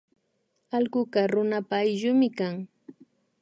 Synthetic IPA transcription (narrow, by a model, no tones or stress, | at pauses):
alɢʊkaɾʊnapaːjʎʊmɪkaŋ